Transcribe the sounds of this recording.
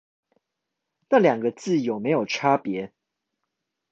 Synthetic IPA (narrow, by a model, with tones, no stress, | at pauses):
na˥˩ljɑ˨˩ŋɡə˦t͡sɹ̩˥˨jo˨˩me˨˦ɪjo˨˩ʊʈ͡ʂʰa˦pjɛ˨˦